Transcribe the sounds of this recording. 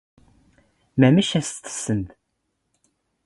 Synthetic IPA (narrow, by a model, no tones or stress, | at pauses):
mæməʃæsθə̥sːənt̪